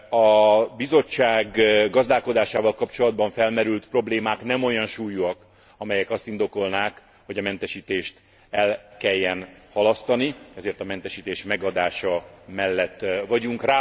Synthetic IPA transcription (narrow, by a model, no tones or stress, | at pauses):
ɒbizo̞t͡ʃːaːɡɡɒzd̪aːlko̞d̪aːʃaːvɒlkɒpt͡ʃo̞lɒd̪̚bɒɱfɛlmɛɾylt̪pro̞bleːmaːknɛmo̞jɒnʃuːjːuɒk | ɒmɛjɛkɒst̪ind̪o̞ko̞lnaːk | ho̞ɟɒmɛnt̪ɛʃiːt̪eːʃt̪ | ɛlkɛjːɛnhɒlɒst̪ɒniɛzeːrt̪ɒmɛnt̪ɛʃiːt̪eːʃmɛɡɒd̪aːʃɒmɛlːɛt̪ːvɒɟuŋkraː